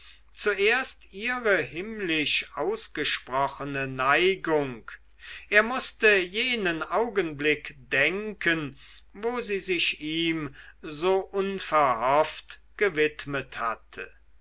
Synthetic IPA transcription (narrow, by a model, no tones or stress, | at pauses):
t͡suʔeːɐstiːʁəɦɪmlɪʃʔaʊsɡ̥əʃpʁ̥ɔχənənaɪɡʊŋk | ʔeːɐmʊstəjeːnənʔaʊɡənblɪkd̥ɛŋkʰən | voːziːzɪʃiːmzoːʔʊnfɛɐhɔft | ɡ̥əvɪtmətha̰tʰə̰